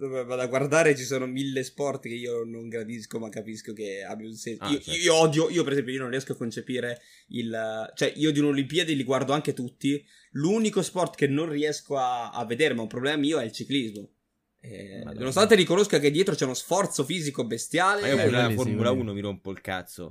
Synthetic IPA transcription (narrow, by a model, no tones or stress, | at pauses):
bɛvad̪aɡward̪aːɾet͡ʃisoːnomilːespɔrt̪keiːonoŋɡɾad̪iskomakːapiskokea̰bjausensioiioɔd̪joʔiːopeɾezɛmpjoionõnriɛskoakːont͡ʃepiːɾe | ilt͡ʃoɛʔiːod̪iunolimpiad̪iliɡward̪oaŋket̪ut̪ːi | lunikospɔrt̪kenːonriɛskoaa̰vːed̪eːɾemaumpɾoblɛːmamiːoɛilt͡ʃiklizmo | ɛ̰nonos̬t̪ant̪eɾikonoskoak̬ed̪ːjɛːt̪ɾot͡ʃɛunosfɔrt̪sofiːzikobest̪jaːleioformulauːnomiɾompoilka̰t̪so̰